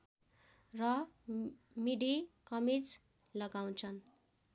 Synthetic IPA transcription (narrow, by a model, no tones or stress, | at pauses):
rʌ | miɖikʌmid͡z | lʌɡaw̃t͡sʰʌn